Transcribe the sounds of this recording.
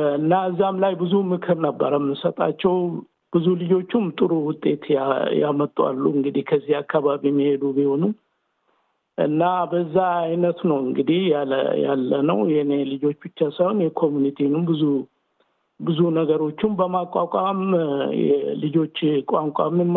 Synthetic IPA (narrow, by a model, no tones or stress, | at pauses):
ɨnːaɨzːamlajbɨzumɨkʰɨɾnəbːə̰ɾəmːɨsət̪ʼat͡ʃːɛw | b̥ɨzulɨd͡ʒo̞t͡ʃːumt̪ʼɨɾuwʊt̪ʼːe̞t̪jamət̪ʼːwa̰lːṵɨŋɡɨd̪ihkʰəzːihakːaβaβiɛmːihe̞d̪ubiho̞nu | ʔɨ̰nːabəzːaajnət̪nəwɨŋɡɨd̪ihja̰ja̰lːənə̰wjɛnelɨd͡ʒo̞t͡ʃːbɨt͡ʃːasəhonjɛkʰo̞munit̪ʰinumbɨzu | bɨzunəɡəɾo̞t͡ʃːɪmbəmakʼːakʼamjɛ̰lɨd͡ʒo̞t͡ʃːkʼaŋkʷʼamm